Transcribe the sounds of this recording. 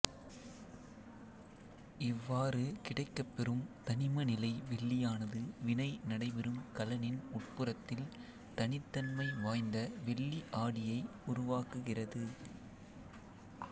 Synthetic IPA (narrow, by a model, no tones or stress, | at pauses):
ɪʋːaːɾɯkɪɽɐɪkːɐpːɛrɯmt̪ɐnɪmɐnɪlɐɪʋɛɭːɪjaːnɐðɯʋɪnɐɪnɐɽɐɪbɛɾɯmkɐlɐnɪnʊʈ̚pɯrɐt̪ːɪl | t̪ɐnɪt̪ːɐnmɐɪʋaːjnd̪ɐʋɛɭːiʔaːɽɪjɐɪʊɾʊʋaːkɯɣɪrɐðɯ